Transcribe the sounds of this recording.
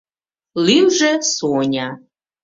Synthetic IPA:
liwʒɛsonʲa

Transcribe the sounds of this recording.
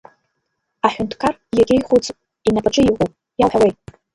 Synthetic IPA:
aħᶣʊntʰkʰarjaɡʲejχʷut͡sʼ | inapʼaʈ͡ʂʼɨiʁʷʼupʼ | jawħawejtʼ

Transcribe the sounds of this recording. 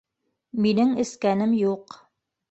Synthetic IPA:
minɘŋɘ̆skænɘmjuq

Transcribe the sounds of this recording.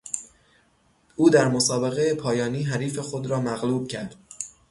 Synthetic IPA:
uːd̪æɾmosɒːbe̞ɣejepʰɒːjɒːniːɦæɾiːfe̞xod̪ɾɒːmæɣluːb̥̚cʰæɾd̪̥̚

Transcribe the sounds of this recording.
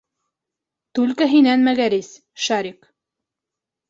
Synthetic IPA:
t̪ʉlkæɦinænmæɡæɾis | ʃɑɾiq

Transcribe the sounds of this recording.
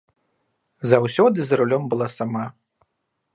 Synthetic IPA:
zawsʲɔd̪ɨzɾulʲɔmbɨlˠasama

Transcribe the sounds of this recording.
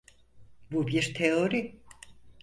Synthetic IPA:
bubiɾt̪ʰeo̞ɾi

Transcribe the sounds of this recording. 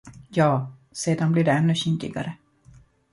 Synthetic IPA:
jɑːseːd̪anbliːɖɛɛnːɵɕɪnd̪ɪ̰ɡa̰ɾə

